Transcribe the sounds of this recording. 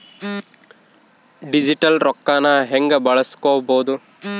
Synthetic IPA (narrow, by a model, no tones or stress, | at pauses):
ɖid͡ʒiʈɐlɾɔkːaːnɐɦeŋɡɐbɐɭɐskoːboːd̪u